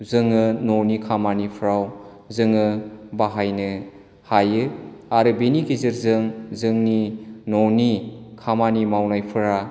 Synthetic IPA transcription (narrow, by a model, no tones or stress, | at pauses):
zɯŋɯnɔwnikʰamanipʰɾaw | zɯŋɯbaɦajnɯ | hajɯaɾɯbenikʰizɯɾzɯŋzɯŋninownikʰamanimawnajpʰɯɾa